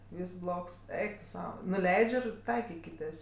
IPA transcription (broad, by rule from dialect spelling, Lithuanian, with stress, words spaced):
ˈʋʲiːs ˈblˠoːks ˈɛɪk tʊ ˈsɐʊ nʊˈlʲɛɪt͡ʃʲ ɪr ˈtɐɪkʲɪkʲɪtʲeːs